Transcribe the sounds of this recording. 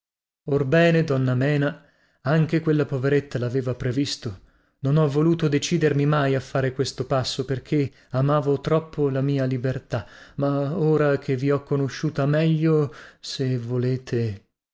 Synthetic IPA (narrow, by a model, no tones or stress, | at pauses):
orbɛːned̪ɔnːamɛːna | aŋk̟ekwelːapoveɾet̪ːalaːveːvapɾevist̪o | nonɔvːoluːt̪od̪et͡ʃiːd̪ermimajafːaːɾekwest̪opasːoperkʰe | amaːvot̪ɾɔpʰːolamiːalibert̪amaoːɾakʰeviɔkːonoʃːuːt̪amɛʎːosevoleːt̪ʰe